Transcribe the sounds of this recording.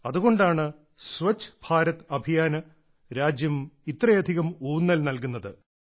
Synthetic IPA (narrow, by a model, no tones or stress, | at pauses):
ɐðuɣo̞ɳɖaːɳɨ | sʋɐt͡ɕʰːb̥ʱaːɾɐt̪ɐbʱijaːnɐ | ɾaːd͡ʑjɐmit̪rɐjɐd̪ʱiɣɐmuːnːɐlnɐlkunːɐðɨ